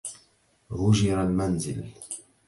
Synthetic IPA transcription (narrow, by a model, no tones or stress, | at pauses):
ɣʊʒɪɾalmanzɪ̰l